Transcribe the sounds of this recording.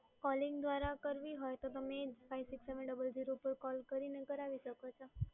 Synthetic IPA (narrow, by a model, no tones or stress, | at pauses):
kɔlɪ̃ŋɡd̪ʋaɾakəɾʋiɦojt̪ot̪əmed͡ʒfajʋsɪkseʋəɳɖəbəld͡ʒiɾopəɾkɔlkəɾineɡəɾaʋiʃəkot͡ʃʰo